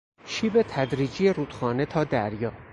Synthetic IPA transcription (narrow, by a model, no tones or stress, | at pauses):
ʃiːbet̪ʰæd̪ɾiːd͡ʒijeɾuːd̪xɒːne̞t̪ʰɒːd̪æɾjɒː